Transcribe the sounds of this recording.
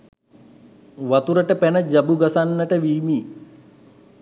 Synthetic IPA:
ʋat̪uɾəʈəpɛnəd͡ʒabuɡasanːəʈəʋiːmiː

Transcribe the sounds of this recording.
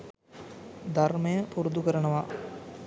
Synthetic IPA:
d̪ʱɐrmɐjəpuɾud̪ukəɾɐnɐʋa

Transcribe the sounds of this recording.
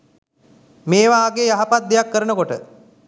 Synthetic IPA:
meːʋaːɡejaɦapat̪̚d̪ejakːəɾənəkoʈə

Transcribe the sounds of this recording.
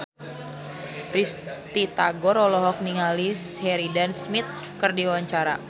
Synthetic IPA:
rist̪it̪aɡɔɾɔlɔɦɔk̚niŋalishɛɾidansmit̪̚ | kɨrdiwaɲt͡ʃaɾa

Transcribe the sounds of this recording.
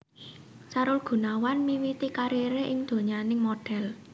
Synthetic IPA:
saɾʊlɡ̥ṳnawanmiwit̪ikaɾiɾeʔɪŋd̪̥o̤ɲanɪŋmoɖ̥ɛl

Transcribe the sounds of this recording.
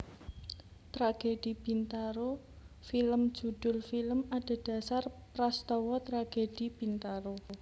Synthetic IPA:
t̪ɾaɡ̥ed̥ib̥int̪aɾo | filəm̥ʒ̥ṳd̪̥ʊ̤lfiləmaɖ̥a̤d̥a̤sarpɾast̪ɔwɔt̪ɾaɡ̥ed̥ib̥int̪aɾo

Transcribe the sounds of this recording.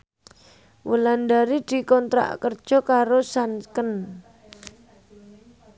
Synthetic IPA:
wʔəland̪aɾid̪̥i̤kɔnt̪ɾa̰ʔkərd̥ʒ̥ɔ̤kaɾosankən

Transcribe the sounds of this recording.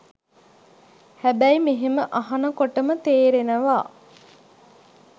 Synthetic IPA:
hæbæjmiɦeməʔɐɦɐnɐkoʈəmət̪eːɾenəʋaː

